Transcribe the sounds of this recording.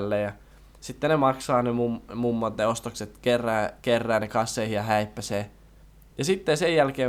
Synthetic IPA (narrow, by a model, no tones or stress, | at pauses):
lːejɑ | sit̪ːenemɑksɑːnemummumːɑt̪neost̪okset̪kerːæːkerːæːnekɑsːeihijɑhæipːæseː | jɑsit̪ːesejjælkeː